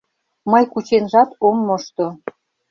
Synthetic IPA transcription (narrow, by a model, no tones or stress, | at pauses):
mɤjkut͡ɕenʒɑt̪omːoʃt̪o